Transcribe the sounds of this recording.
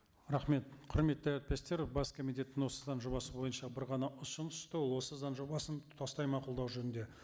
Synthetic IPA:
ɾɑχme̞t̪̚qʰʊɾme̞t̪ːæɾæt̪̚pe̞st̪e̞ɾbɑskʰomit̪ʲe̞t̪ːɪŋwo̞səzɑnʒobɑsəbo̞jənʃɑbɪɾʁɑnɑʊsənʏ̥ʃt̪əwo̞lˠwo̞səzɑnʒobɑsənʰɑst̪ɑjmɑqʊlˠd̪ɑwʒɵnɪnd̪e̞

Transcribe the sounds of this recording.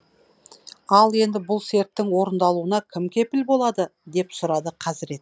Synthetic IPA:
ɑlˠe̞nd̪ɪbʊlˠse̞ɾt̪ːɪŋwo̞ɾənd̪ɑlˠuənɑkʲʰɪmkʲʰe̞pɪlbo̞lˠɑd̪əd̪e̞psʊɾɑd̪əqʰɑzɪɾe̞t̪

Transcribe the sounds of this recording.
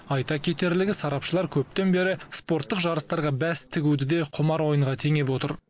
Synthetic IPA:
ɑjt̪ɑkʲʰe̞t̪e̞ɾlɪɡʲɪsɑɾɑpʃəlˠɑɾkʲʰɵp̚t̪e̞nbe̞ɾɪspo̞ɾt̪ːəqʒɑɾəst̪ɑɾʁɑbæst̪ʰɪɡʲud̪ɪd̪e̞qʰʊmɑɾwo̞jəɴʁɑt̪ʰe̞ŋe̞p̬wo̞t̪əɾ

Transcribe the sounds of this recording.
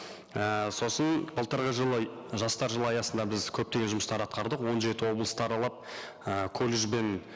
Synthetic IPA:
əso̞sənbəlˠt̪əɾʁəʒəlˠə | ʒɑst̪ɑɾʒəlˠɑjɑsənd̪ɑbɪzkʲʰɵp̚t̪e̞ɡʲeʒʊməst̪ɑɾɑt̪qɑɾd̪əqwo̞nʒe̞t̪ɪwo̞blˠəst̪əɑɾɑlˠɑp̚ | əkʰolʲeʒbe̞n

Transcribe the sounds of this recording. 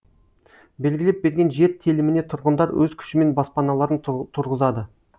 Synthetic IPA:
be̞lɡʲɪlep̚be̞ɾɡʲe̞nʒe̞ɾt̪ʰelɪmɪne̞t̪ʰʊɾʁənd̪ɑɾwɵzkʲʰʏ̥ʃɪme̞nbɑspɑnɑlˠɑɾənt̪ʰʊɾʁəzɑd̪ə

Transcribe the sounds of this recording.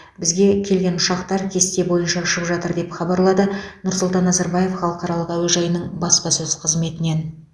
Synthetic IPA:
bɪzɡʲe̞kʲʰe̞lɡʲe̞nʊʃɑqt̪ɑɾkʲʰe̞st̪ebo̞jənʃɑʊʃəpʒɑt̪əɾd̪e̞pχɑbɑɾlˠɑd̪ənʊɾsʊlˠt̪ɑnːɑzɑɾbɑje̞fχɑlˠəqɑɾɑlˠəqæwelʒɑjənəɴbɑspɑsɵz̥qʰəzme̞t̪ɪne̞n

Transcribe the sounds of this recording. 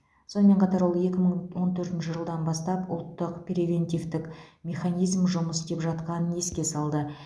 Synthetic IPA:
so̞nəme̞ɴqʰɑt̪ɑɾwo̞lˠe̞kʲɪməɴwo̞nt̪ʰɵɾt̪ɪnʃɪʒəlˠd̪ɑnbɑst̪ɑpʊ̰lˠt̪ːəqpʲrʲevʲe̞nt̪ijvt̪ɪkmʲe̞χanijzmʒʊməst̪e̞pʒɑt̪qɑnəne̞skʲe̞sɑlˠd̪ə

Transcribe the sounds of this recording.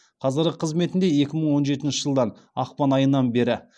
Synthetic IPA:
qʰɑzəɾəqʰəzme̞t̪ɪnd̪e̞je̞kʲɪməɴwo̞nʒe̞t̪ɪnʃɪʒəlˠd̪ɑn | ɑqpɑnɑjənːɑnbe̞ɾɪ

